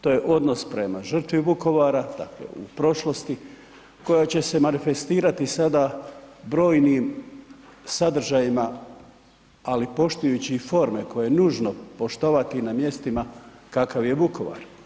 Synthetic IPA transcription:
t̪o̞ːje̞ʔo̞d̪no̞spɾe̞maʒr̩t̪ʋibuko̞ʋaːɾad̪̥a̰klḛṵpɾo̞ʃlo̞st̪i | ko̞jat͡ɕe̞se̞manife̞st̪iːɾat̪isad̪abɾo̞ːjniːm | sad̪r̩ʒajima | alipo̞ʃt̪ujut͡ɕifo̞ɾme̞ko̞jejenuːʒnopo̞ʃt̪o̞ʋat̪inamje̞st̪imakakaʋje̞buko̞ʋa̰ɾ

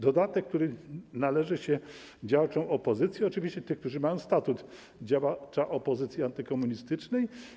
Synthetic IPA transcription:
d̪ɔd̪at̪ɛk̚ːt̪uɾɘnalɛʐɘɕɛ | d͡ʑawt͡ʂɔ̃w̃ɔpɔzɘt̪sʲjiɔt͡ʂɨvʲiɕt͡ɕɛt̪ɘxk̚t̪uʐɘmajɔ̃w̃st̪at̪ut̪ | d͡ʑawat͡ʂaʔɔpɔzɘt̪sʲjiant̪ɘkɔmuɲist̪ɘt͡ʂnɛj

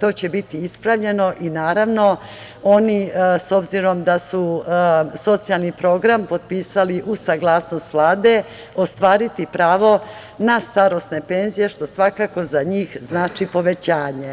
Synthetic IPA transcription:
t̪o̞ːt͡ɕe̞bit̪iispɾaʋʎe̞no̞ʔinaːɾaʋno̞ | o̞niso̞bziɾo̞md̪asu | so̞t̪sijalnipɾo̞ɡɾampo̞d̪̚piːsaliʔusaɡlˠaːsno̞st̪ʋlˠaːd̪e̞ | o̞st̪ʋaːɾit̪ipɾaːʋo̞ | nast̪aɾo̞st̪ne̞pe̞ːnzije̞ʃt̪o̞sʋakako̞zaɲiːxznaːt͡ʂipo̞ʋe̞t͡ɕaːɲe̞

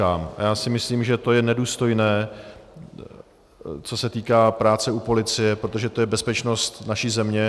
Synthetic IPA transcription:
aːmajaːsɪmɪsliːmʒɛt̪o̞jɛnɛduːst̪o̞jnɛː | t͡so̞sɛt̪iːkaːpɾaːt͡sɛupo̞lɪt͡sɪjɛpɾot̪̬o̞ʒɛt̪o̞jɛbɛspɛt͡ʃno̞st̪naʃiːzɛmɲɛ

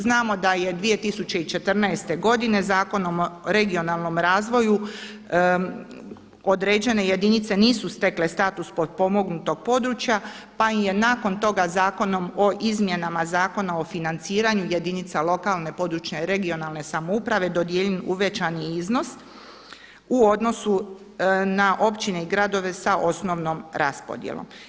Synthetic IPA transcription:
znaːmo̞d̪aje̞d̪ʋije̞t̪isut͡ɕe̞it͡ʃe̞t̪r̩naest̪e̞ɡo̞d̪ine̞zaːko̞no̞moɾe̞ɡio̞nalˠno̞mɾaːzʋo̞ju | o̞d̪ɾed͡ʑe̞ne̞je̞d̪init̪se̞niːsust̪e̞kle̞st̪aːt̪uspo̞d̪̚po̞mo̞ɡnut̪o̞ɡ̥̚po̞d̪ɾut͡ʃja | paimje̞naːko̞nt̪o̞ɡazaːko̞no̞mo̞ʔizmje̞namazaːko̞nao̞finant̪siːɾaɲuje̞d̪init̪salˠo̞kalˠne̞po̞d̪ɾut͡ʃɲeɾe̞ɡio̞nalne̞samoupɾaʋe̞d̪o̞d̪jeːʎenuʋet͡ʃaniizno̞s | uo̞d̪no̞su | naʔo̞pt͡ʃine̞iɡɾad̪o̞ʋe̞saʔo̞sno̞ʋno̞mɾʔa̰spo̞̰d̪jḛlˠo̰m

